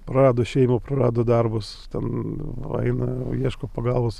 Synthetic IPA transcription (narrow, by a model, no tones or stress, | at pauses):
pɾɐɾɑːd̪oːʃʲɛɪmoːprɐrɑːd̪oːd̪ɐrbʊs | t̪ʲɛnɐ̰ɪnɐiɛʃkoːpɐɡɐlˠʋoːs